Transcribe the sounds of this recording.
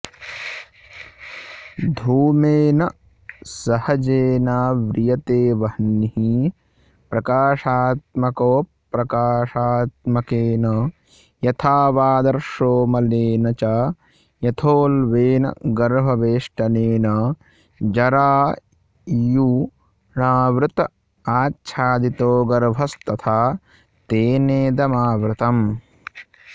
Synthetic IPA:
d̪ʱuːmeːnɐ | sɐhɐd͡ʒeːnaːʋɾɪjɐt̪eːʋɐhnihi | pɾɐkaːʂaːt̪̚mɐkoː | pɾɐkaːʂaːt̪mɐkeːnɐ | jɐt̪ʰaːʋaːd̪ɐɾʂoːmɐleːnɐt͡ʃaː | jɐt̪ʰoːlʋeːnɐ̰ɡɐɾʋʱɐʋeːʂʈɐneːnɐ | d͡ʒɐɾaː | ju | ɳaːʋɾut̪ɐ | aːtːʃʰaːd̪it̪oːɡɐɾʋʱɐst̪ɐt̪ʰaː | t̪eːneːd̪ɐmaːʋɾɪt̪ɐm

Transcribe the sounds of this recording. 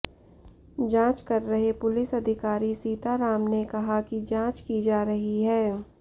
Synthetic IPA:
d͡ʒãːt͡ʃkɐɾːɐɦepʊlɪsɐd̪ʱɪkaːɾisiːt̪aɾaːmnekɐɦakid͡ʒãːt͡ʃkid͡ʒaːɾɐɦiɦɛː

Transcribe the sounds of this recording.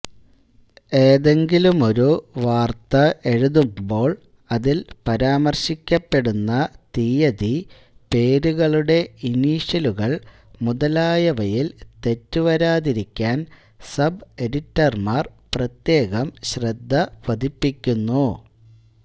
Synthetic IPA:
e̞ːðe̞ŋɡilumo̞ɾuʋaːrt̪ɐe̞ɻuðumbo̞ːɭ | ɐðilpɐɾaːmɐrɕikʲːɐpːe̞ɽunːɐt̪iːjɐði | pe̞ːɾuɣɐɭuɽe̞iniːɕɐluɣɐɭ | muðɐlaːjɐʋɐjilt̪e̞tːuʋɐɾaːðiɾikʲːaːn | sɐbe̞ɽitːɐrmaːrprɐt̪je̞ːɣɐmɕrɐd̪ʱːɐʋɐðipːikʲːunːu

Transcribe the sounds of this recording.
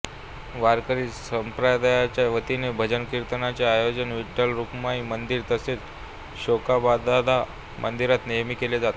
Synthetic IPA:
ʋaɾkəɾiːsəmpɾad̪ajat͡ɕjaʋət̪inebʱəd͡ʑənkiɾt̪ənat͡ɕjaːjod͡ʑənʋiʈːəlɾukmaiːmənd̪iːɾt̪əset͡s | ɕokabad̪ad̪ʱa | mʔənd̪iɾat̪nijəmikeled͡zat̪

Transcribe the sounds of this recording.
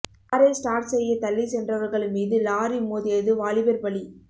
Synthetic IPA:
ɾeːsʈaːɾʈsɛjːɐt̪ɐlːisɛndrɐʋɐɾɣɐɭɯmiːðɯlaːɾimoːðɪjɐðɯʋaːɭɪbɐɾbɐɭi

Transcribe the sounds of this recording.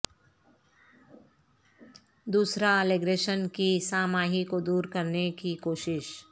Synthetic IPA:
d̪uːsɾaleːɡɾeːʃənkisaːmaːɦikod̪uːɾkɐɾnekikoːʃɪʃ

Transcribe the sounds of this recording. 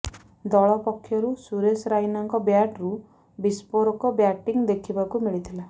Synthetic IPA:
d̪ɔɭɔpɔkʰːjɔɾusuɾesɾainɔŋkɔbjaʈɾu | bispoɾɔkɔbjaʈiŋd̪ekʰibakumiɭit̪ʰila

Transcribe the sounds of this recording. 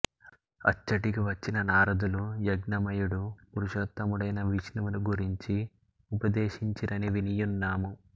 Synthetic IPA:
ɐ̰t͡ʃːɐʈikiʋɐt͡ʃːinɐnaːɾɐd̪ulujɐɡnɐmɐjuɽupuɾuʃɐt̪ːɐmuɽɐjnɐʋiʃnuʋunuɡuɾiɲt͡ʃi | upɐd̪eːʃiɲt͡ʃiɾɐniʋinijunːaːmu

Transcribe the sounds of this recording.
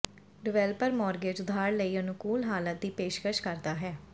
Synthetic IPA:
ɖɪʋɛːlpəɾmɔːɾɡeːd͡ʒʊd̪ʱaːɾləiːənʊkuːlɦaːlət̪̚d̪iːpeːʃkəʃkəɾd̪aːɦɛː

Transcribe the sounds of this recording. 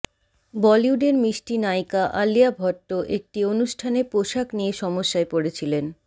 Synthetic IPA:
bɔliuɖeɾmiʃʈinajkaʔaliabʱɔʈːoʔek̚ʈionuʃʈʰanepoʃaknieʃɔmoʃːaepoɽet͡ɕʰilen

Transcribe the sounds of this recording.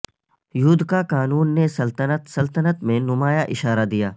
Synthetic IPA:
jʊd̪kakaːnuːnːesɐlt̪ənət̪sɐlt̪ənət̪mẽnʊmaːjaʔɪʃaːɾad̪ijaː

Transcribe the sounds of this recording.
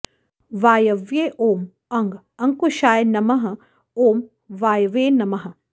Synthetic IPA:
ʋaːjɐʋjeːʔoːm | ɐŋɡ | ɐŋkuʃaːjnɐmɐɦɐ | oːm | ʋaːjɐʋeːnɐmɐɦɐ

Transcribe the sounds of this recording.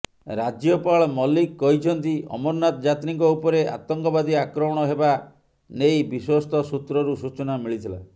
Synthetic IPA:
ɾad͡ʒjɔpaɭɔmɔlikːɔɦit͡ʃʰɔnt̪iɔ̰mɔɾnat̪ɔd͡ʒat̪ɾiŋkɔupɔɾeʔa̰t̪ɔŋkɔbad̪iakɾɔmɔɽ̃ɔɦeba | nejbiswɔst̪ʰɔsut̪ɾɔɾusut͡ʃɔnamiɭit̪ʰila

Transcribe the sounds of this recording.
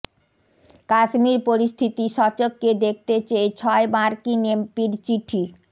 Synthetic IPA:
kaʃmiɾpoɾist̪ʰit̪iʃɔt͡ɕokːed̪ek̚ʰt̪et͡ɕejt͡ɕʰɔebaɾkinempiɾt͡ɕiʈʰi

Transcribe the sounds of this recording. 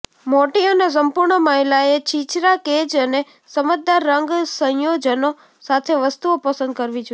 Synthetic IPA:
moʈiənes̬əmpuɾɳəmaɦilaet͡ʃit͡ʃɾaked͡ʒəne | səməd̪aɾːəŋɡsə̃jod͡ʒəno | sat̪ʰeʋəst̪uopəsə̃nd̪̚kəɾʋid͡ʒo

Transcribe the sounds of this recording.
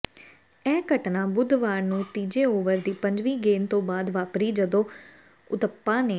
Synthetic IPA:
ɛːkəʈnãːbʊd̪ʋaːɾnũːt̪iːd͡ʒẽːoːʋəɾd̪iːpəɲd͡ʒʋiːɡeːnt̪õːbaːd̪ʋaːpɾiːd͡ʒəd̪õː | ʊt̪əpːãːneː

